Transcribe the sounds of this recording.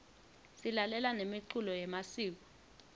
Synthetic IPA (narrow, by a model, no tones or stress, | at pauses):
silalɛlanemiǀulɔjɛmasiːk̬ɔ̥